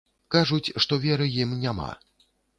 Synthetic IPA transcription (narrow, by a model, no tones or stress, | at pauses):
kaʐut͡sʲʂt̪ɔvʲɛɾɨjimnʲama̰